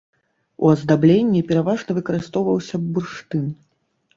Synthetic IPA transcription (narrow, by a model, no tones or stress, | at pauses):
ṵɐzd̪ablʲenʲːipʲɛɾavaʐnɐvɨkɐɾɨst̪ɔwvɐwsʲɐːurʂt̪ɨn